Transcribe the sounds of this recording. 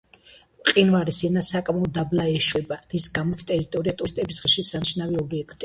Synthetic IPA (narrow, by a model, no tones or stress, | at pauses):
qʼinvaɾisɛnasakʼmaɔd̪ablaɛʃwɛbaɾisɡamɔt̪sʰt̪ʼɛɾit̪ʼɔɾiat̪ʼust̪ʼɛbisʁɛʃisaniʃnaviɔbiɛkʰt̪ʼi